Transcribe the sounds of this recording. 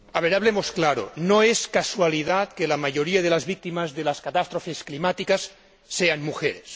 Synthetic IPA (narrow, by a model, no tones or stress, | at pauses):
aβeɾaβlemosklaɾo̰noeskaswaliðat̪̚kelamaʝoɾiaðelazβik̚t̪imazðelaskat̪ast̪ɾofesklimat̪ikasː | eanmuxeɾes